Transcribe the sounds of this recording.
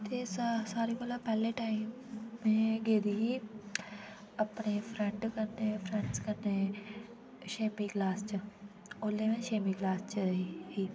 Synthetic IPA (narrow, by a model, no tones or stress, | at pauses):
t̪eːssaːɾiːbəlaːpɛːleːʈaːimːɛ̃ːɡeːd̪iːɦiː | əpneːpʰɾɛ̃ɳʈkəɾneːpʰɾɛ̃ɳʈskəɾneː | ʃeːmiːɡlaːst͡ʃə | oːleːʋẽːʃeːmiːɡlaːst͡ʃəhiː